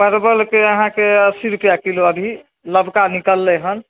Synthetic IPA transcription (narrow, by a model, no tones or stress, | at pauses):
pəɾbəlkeəɦãkeəsiɾupjakiloəbʱi | ləbʱkanikəlːɛɦən